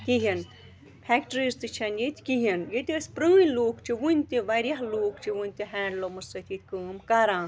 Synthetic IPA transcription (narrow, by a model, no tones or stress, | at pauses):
kiɦin | pʰʲɛkʈɾizt̪ɨt͡ʃʰɐnjet̪ʲkiɦinjet̪iɐspɾɨːjloːkt͡ʃʰiʋunʲt̪iʋɐɾjɐɦloːkt͡ʃʰiʋɨnʲt̪iɦɛːlomɐsɐt̪ʰit̪̚ʰʲkɨːmkɐɾãːn